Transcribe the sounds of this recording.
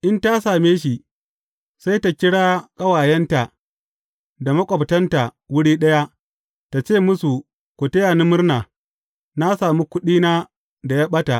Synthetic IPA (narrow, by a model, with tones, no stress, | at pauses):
ʔɪ˦nta˦saː˨meː˦ʃi˨ | sa˦jta˨kʲɪ˦ɽaː˦kʼɐ˦waː˨jɛ˦nta˨ | da˨mɐ˦kʷʼɔ˨btɐ˦nta˨wʊ˦ɽiː˦ɗɐ˦ja˦ | ta˨t͡ʃeː˦˨mʊ˦su˨ | kʷu˨tɐ˦jaː˨ni˦mʊ˦rnaː˨ | na˦saː˨mu˦kʷʊ˦ɗiː˦naː˦ | da˨jaː˦ɓɐ˦ta˨ʔ